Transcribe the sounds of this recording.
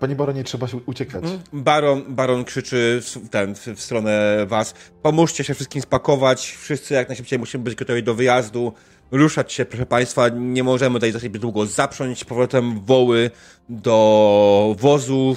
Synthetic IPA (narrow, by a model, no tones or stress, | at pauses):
paɲibaɾɔɲɛtʂɛbaɕɛut͡ɕɛkabaɾɔnbaɾɔnkʂɘt͡ʂɘft̪ɛnffst̪ɾɔnɛvaspɔmuʂt͡ɕɛɕɛfʂɘst̪kʲimspakɔvat͡ɕfʂɘst̪sɘjak̚najʂɘp̚t͡ɕejmuɕimɘbɘd͡ʑɡɔt̪ɔvʲid̪ɔvɘjazd̪u | ɾuʂat͡ɕɕɛpɾɔʂ̬ɛpaj̃st̪faɲɛmɔʐɛmɘt̪ajzatt͡ʃad͡ʑbd̪wuɡɔzapʂɔɲt͡ɕpɔvɾɔt̪ɛmvɔwɘ | d̪ɔ | vɔzu